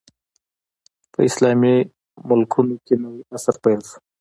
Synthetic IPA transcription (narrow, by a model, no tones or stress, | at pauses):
pə̰ɪslɑmi | mʊlkʰunokenawiasaɾpalsu̥